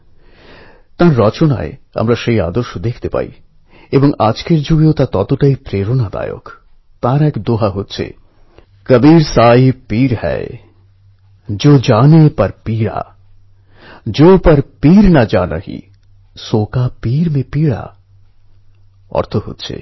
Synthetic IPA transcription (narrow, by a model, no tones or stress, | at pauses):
t̪ãːɾɾɔːt͡ʃona̰ḛɐ̰mɾaʃəia̰ːd̪əɾʃod̪eːkʰt̪epa̰ːḭ | ebɔŋaːd͡ʒkeɾd͡ʒuɡjot̪at̪ɔːt̪oʈaipɾeːɾonad̪a̰ːjo̰k | t̪ãːɾaeːkd̪oːɦaɦot̪t͡ʃʰḛ | kɐbiːɾsaːipiːɾhɛ̰ | d͡ʒoːd͡ʒaːnepɐɾpiːɾa̰ | d͡ʒoːpɐɾpiːɾnad͡ʒaːna̰ɦḭ | soːkapiːɾmẽpiːɽa̰ | ɔ̰ɾt̪ʰoɦo̰ːt̪t͡ʃʰḛ